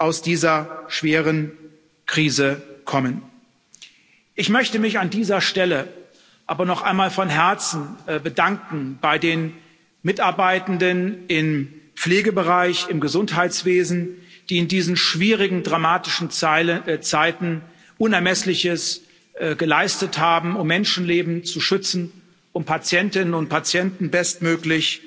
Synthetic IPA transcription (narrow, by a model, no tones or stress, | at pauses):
ʔaʊsd̥iːzɐʃv̥eːʁən | kʁ̥iːzəkʰɔmən | ʔɪçmœçtəmɪçandiːzɐʃtɛlə | ʔaːbɐnɔχʔa̰ɪnmaːlfɔnɦɛɐt͡sn̩bədaŋkŋ̩b̥aɪdeːn | mɪtaɐbaɪtn̩dənɪmp͡fleːɡəbəʁaɪçɪmɡəzʊnthaɪt͡sv̥eːzn̩d̥iːɪndiːzn̩ʃv̥iːʁɪɡŋ̩dʁamaːtɪʃn̩ | t͡saɪtn̩ | ʔʊnɛɐmɛslɪçəs | ɡəlaɪstəthaːbm̩ʊmːɛnʃn̩leːbm̩t͡suʃʏt͡sn̩ | ʊmpʰat͡sjɛntɪnənʊnt̚pʰat͡sjɛntn̩bɛstmøːklɪç